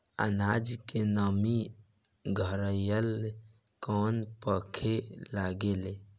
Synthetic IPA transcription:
ə̰nad͡ʒkenəmi | ɡʱəɾəjəl | kɔnpəkʰelaɡele

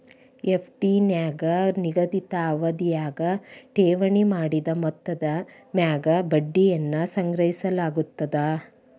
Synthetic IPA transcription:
epʰʈinjaːɡɐniɡɐd̪it̪ɐːʋɐd̪ijaːɡɐʈeːʋɐɳimaːɽid̪ɐmɔt̪ːɐd̪ɐ | mjaːɡɐbɐɖːijɐnːɐsɐŋɡɾɐɦisɐlaːɡut̪ːɐd̪ɐ

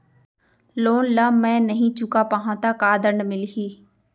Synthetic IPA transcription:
loːnlaːmɛ̃ːnəɦĩt͡ʃʊkapaɦãːt̪akaːd̪əɳɖmɪlɦiː

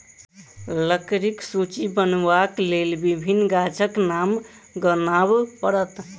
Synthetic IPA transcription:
ləkɾiksut͡ʃibənbaklelbibʱinːɡat͡ʃəknam | ɡənabpəɾət̪

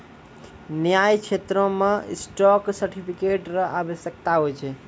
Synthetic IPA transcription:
njajt͡ʃʰet̪ɾõmḛsʈɔksəɾʈʰipʰikeʈɾəɦabəsək̚t̪aɦojt͡ʃʰɛ

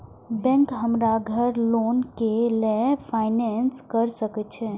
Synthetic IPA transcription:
bɛ̃ŋkɦəmɾaɡʱəɾlonkelepʰaɪnɛnskəɾsəkɛt͡ʃʰɛ

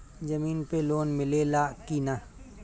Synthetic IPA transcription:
d͡ʒɐmiːnpeloːnmɪlelaːkina

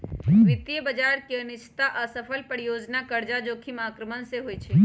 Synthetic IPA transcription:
ʋɪt̪ijəbəd͡ʒaːɾkeɐnɪʃt̪aʔəsəfʰəlpəɽjoːd͡ʒnakɐɾd͡ʒad͡ʒoːkʰimaːkɾəmənseɦoit͡ʃʰe

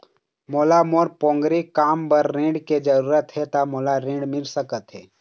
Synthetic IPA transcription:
moːlamoːɾpõːŋɡɾikaːmpəɾːẽːɖked͡ʒəɾuːɾət̪ɦɛt̪amoːlaɾẽːɖmɪlsəkət̪ɦɛː

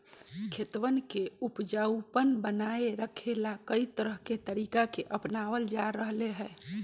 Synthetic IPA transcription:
kʰet̪ʋənkeupd͡ʒəupənbənaeɾəkʰelakəit̪əɾəɦket̪əɾikakeʔəpnaʋəld͡ʒaɾəɦleɦɛ

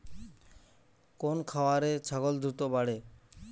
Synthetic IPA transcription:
konkʰawaɾet͡ɕʰaɡold̪ʱɾut̪obaɽe

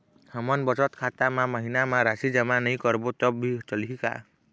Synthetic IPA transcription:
hamɔnbɔt͡ʃɔt̪kʰat̪amamɔɦinamaɾasid͡ʒamanɔj̃kɔɾbot̪ɔbbʱit͡ʃɔliɦika̰

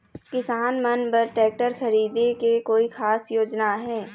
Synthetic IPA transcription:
kɪsaːnmɐnpɐɾʈɛːk̚ʈəɾxɐɾiːd̪ekekoːixʰaːsjoːd͡ʒnaɦɛː

